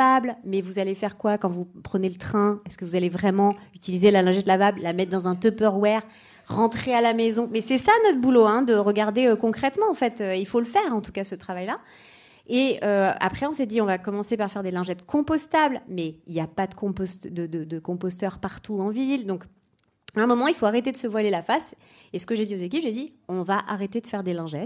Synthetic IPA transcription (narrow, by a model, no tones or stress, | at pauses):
ablmɛvuzalefɛʁkwakɑ̃vupχənelət̪χɛ̃ɛskəvuzalevʁɛmɑ̃yt̪ilizelalɛ̃ʒɛt̪lavabllamɛt̪̚d̪ɑ̃zɛ̃t̪ɔpœʁwɛʁ | ʁɑ̃t̪χealamezɔ̃mɛsɛsanɔt̪χbuloɛ̃d̪əʁəɡaʁd̪eøkɔ̃kχɛt̪mɑ̃ːfɛt̪øilfoləfɛːʁɑ̃t̪u̥kasət̪χavajla | eøa̰pχɛɔ̃sɛd̪iɔ̃vakɔmɑ̃sepaʁfɛʁd̪elɛ̃ʒɛt̪kʰɔ̃pɔst̪ablmɛiljapad̪əkɔ̃pɔst̪d̪əd̪əd̪əkɔ̃pɔst̪œʁpaʁt̪uɑ̃vild̪ɔ̃k | ɛ̃mɔmɑ̃ilfoaʁet̪ed̪əsəvwalelafas | esə̥kəʒed̪iozek̬ʲipʒed̪iɔ̃vaʔaʁet̪ed̪əfɛʁd̪elɛ̃ʒɛt̪